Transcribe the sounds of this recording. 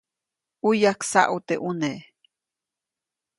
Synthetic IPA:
ujaksa̰ʔut̪eʔune

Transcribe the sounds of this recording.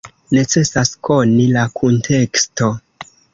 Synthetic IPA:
ne̞t͡se̞sasko̞nilakʰuntʰe̞ksto̞

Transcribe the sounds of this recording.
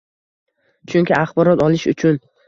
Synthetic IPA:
t͡ʃʰʊŋʲkʲɪaχbɒɾɒt̪ɒlɪʃʊ̰t͡ʃʰʊn

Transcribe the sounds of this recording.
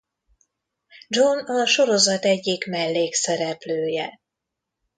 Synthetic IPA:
d͡ʒonɒʃo̞ɾo̞zɒt̪ɛɟːikmɛlːeːksɛɾɛpløːjɛ

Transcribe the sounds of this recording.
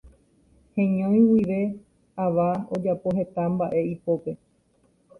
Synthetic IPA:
hẽɲõj̃wiʋe̞ | aʋao̞d͡ʒapo̞ɦe̞t̪ambaʔe̞ipo̞pe

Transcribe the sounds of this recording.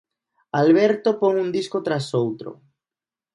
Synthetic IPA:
alβ̞eɾt̪opoŋund̪iskot̪ɾasowt̪ɾo̰

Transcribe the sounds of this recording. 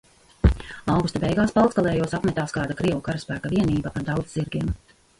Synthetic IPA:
awɡust̪abɛjɡaːspalˠt̪skalˠɛːjuɔsapmʲɛt̪aːskaːd̪akɾiɛwukaɾaspæːkavʲiɛniːbapaɾd̪awd̪zziɾɡʲiɛm

